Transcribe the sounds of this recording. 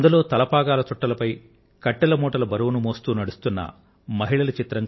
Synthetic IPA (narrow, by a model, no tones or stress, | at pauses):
nd̪ulo̞ːt̪ɐlɐpaːɡaːlɐt̪uʈːɐlɐpɐj | kɐʈːɛlɐmoːʈɐlɐbɐɾuwnumoːst̪uːnɐɽust̪unːɐ̰ | mɐɦiɭɐlɐt͡ʃit̪ɾɐŋ